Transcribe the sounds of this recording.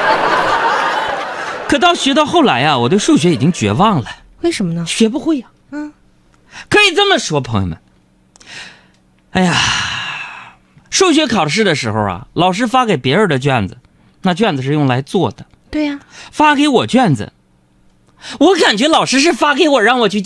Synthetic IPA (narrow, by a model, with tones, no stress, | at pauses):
kʰɤ˨˩t̪ɑ˥˩ʊɕɥɛ˧˥t̪ɑ˥˧ʊxo˥˩ʊla˧˥ɪa˧wɔ˨˩t̪we˥˧ɪʂu˥˩ɕɥɛ˧˥i˨˩t͡ɕi˥ŋt͡ɕɥɛ̰˧˥wɑ˥˩ŋlə˩ | we˥˩ɪʂə˧˥mə˧nə˧ɕɥɛ˧˥pu˧˥xwe˥˩ɪa˩˥˩ | kʰɤ˧˥i˨˩t͡sə˥nmə˨ʂwɔ˥pʰɤ˧˥ŋjo̰˧˩mə̰˨˩n | a˥˩ɪa˨ | ʂu˥˩ɕ̬ɥɛ˧˥kʰɑ˨˩ʊʂ̬ɻ̩˥˩d̪ə˩ʂɻ̩˧˥xo̰˧ʊɐ̰˨˩lɑ˨˩ʊʂ̬ɻ̩˥fa˥ke˨˩ɪpjɛ˧˥ə˞˨˧˩d̪ə˨t͡ɕɥɛ˥˩nd͡z̩˩ | na˥˧t͡ɕɥɛ˥˩nd͡z̩˩ʂ̬ɻ̩˥˧jʊ˥˩ŋla˧˥ɪt͡swɔ˥˩d̪ə˩ | t̪we˥˩ɪ˩fa˥ke˧˥ɪwɔ˨˩t͡ɕɥɛ˥˩nd͡z̩̰˩ | wɔ˧˥ka˨˩nt͡ɕɥɛ˧˥lɑ˨˩ʊʂɻ̩˥ʂ̬ɻ̩˥˩fa˥ke˧˥ɪwɔ˨˩ɻɑ˥˩ŋwɔ˨˩t͡ɕʰy˥˧